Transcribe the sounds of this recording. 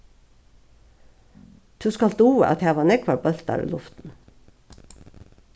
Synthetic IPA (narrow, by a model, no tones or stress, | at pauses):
t̪ʰʉːskɑld̪uːə̰ʔɑ̰t̪hæːʋɑːnɛkʰʋɑɾbœlt̪̚d̪æ̰ːɾʉ̰ːlʊft̪n̩